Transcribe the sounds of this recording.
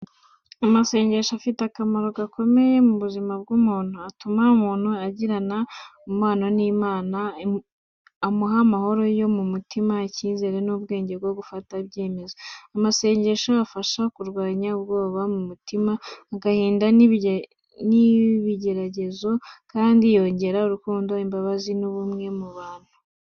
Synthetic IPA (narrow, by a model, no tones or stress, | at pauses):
amase̞ːɲɟe̞ʃoafitakamaɾo̞ɡakʰo̞me̞je̞muβuzimab̚ɡumuːn̥huatumaumuːn̥huaɟiɾanaumaːnoniːmaːna | amuɦamaho̞ɾo̞jo̞mumutimaciːnzeɾe̞nuːbɡe̞ːɲɟe̞bɡo̞ɡufatabɟe̞ːme̞zo̞amase̞ːɲɟe̞ʃoafaʃakuɾɡwaːɲaβɡo̞ːβamumutimaːɡahiːndan | niβiɟe̞ɾaɟe̞zo̞kaːndijo̞ɲɟe̞ɾauɾukuːndo̞imbaβazinuβumŋe̞muβaːn̥hu